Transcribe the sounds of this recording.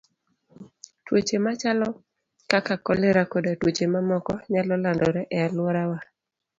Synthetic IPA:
twot͡ʃemat͡ʃalɔ | kakakɔleɾakodatwot͡ʃemamɔkɔɲalɔlandɔɾɛʔɛalwɔɾawa

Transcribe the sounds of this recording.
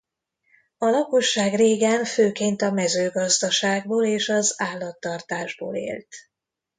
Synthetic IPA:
ɒlɒko̞ʃːaːɡreːɡɛɱføːkeːnt̪ɒmɛzøːɡɒzd̪ɒʃaːɡ̚boːleːʃɒzaːlːɒt̪ːɒrt̪aːʒbo̰ːlḛːlt̪

